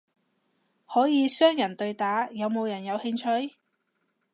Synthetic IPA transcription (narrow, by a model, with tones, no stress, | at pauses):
hɔː˨˥jiː˨˧sœː˥ŋjɐ˨˩nt̪ɵ˧ɥt̪aː˨˥jɐ˨˧wmo˨˧wjɐ˨˩njɐ˨˧whɪ˧ŋt͡ʃʰɵ˧ɥ